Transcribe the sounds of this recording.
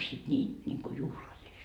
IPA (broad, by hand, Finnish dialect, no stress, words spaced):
sit nʲiːn nʲiŋku juhlɑlːist